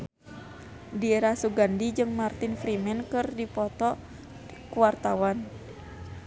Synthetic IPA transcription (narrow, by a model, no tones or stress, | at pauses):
dieɾahsuɡandid͡ʒɨŋmart̪infɾimɛnkɨrdipɔt̪ɔ | kuwart̪awan